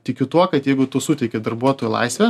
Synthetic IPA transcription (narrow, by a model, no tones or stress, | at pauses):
t̪ʲɪkʲʊt̪uɔkɐt̪jɛɪɡʊt̪ʊsʊt̪ʲɛɪkʲɪd̪ɐrbuɔt̪oːjʊlˠɐ̰ɪsʲʋʲɛ